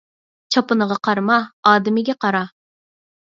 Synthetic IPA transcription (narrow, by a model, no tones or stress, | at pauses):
t͡ʃʰɑpɨnəʁɑqʰɑɾmɑɑːd̪ɪmɪɡʲɛqɑɾɑ